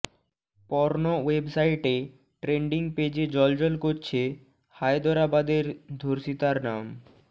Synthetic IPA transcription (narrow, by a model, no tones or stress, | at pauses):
pɔɾnowebsajʈe | ʈɾeɳɖiŋped͡ʑed͡ʑɔld͡ʑɔlkoɾt͡ɕʰe | hajd̪ɔɾabad̪eɾd̪ʱoɾʃit̪aɾnam